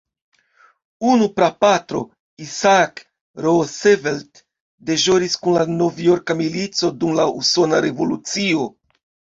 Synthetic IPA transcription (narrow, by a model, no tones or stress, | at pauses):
unupɾapatɾo̞̰ | isak | ɾo̞sevelt | de̞ʒo̞ɾiskunlano̞vjo̞ɾkamilit͡so̞dumlauso̞naɾe̞vo̞lut͡sio̞